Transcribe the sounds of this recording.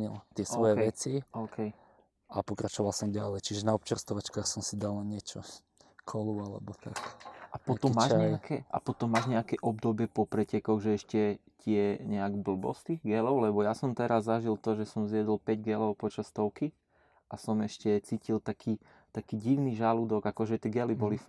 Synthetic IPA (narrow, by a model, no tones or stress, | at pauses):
ɲilt̪ɪɛsʋɔjɛʋɛt͡siɔʊkʰɛj | apɔkɾat͡ʃɔʋalˠsɔmɟalɛjt͡ʃiʒɛnaɔp̚t͡ʃɛɾst̪ɔʋat͡ʃkaːxsɔmsid̪alnaɲɪɛt͡ʃɔ | kʰɔlualɛ̰bɔt̪ʰakʔapɔt̪ɔmːaːʒɲɲɛakʰɛʔa̰pɔt̪ɔmːaːʒɲɛakɛʔɔb̚d̪ɔbɪɛpɔpɾɛcɛkɔɣʒɛɛʃcɛ | cɪɛɲɛaɡbl̩bɔ̰st̪iːɣɡɛlɔʊlɛbɔjasɔmt̪ɛɾazːaʒilt̪ɔʒɛsɔmzjɛd̪ɔlpɛɟɡɛlɔʊpɔt͡ʃast̪ɔʊki | ʔasɔmɛʃcɛt͡siːcilt̪akʰiː | t̪akiːɟiʋniʒalud̪ɔɡakɔʒɛt̪ɪɛɡɛlibɔli